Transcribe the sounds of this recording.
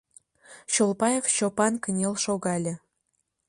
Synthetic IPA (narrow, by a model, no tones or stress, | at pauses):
ɕolˠpɑjefɕopɑnkə̆nʲelʲˠʃoɣɑlʲɘ̆